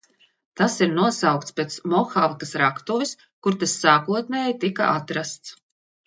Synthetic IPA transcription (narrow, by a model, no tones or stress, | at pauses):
t̪asiɾnuɔsawk̚t̪spʲet̪smɔxavkasɾakt̪uvis | kuɾt̪asːaːkuɔt̪nɛːjit̪ika̰ʔat̪ɾast̪s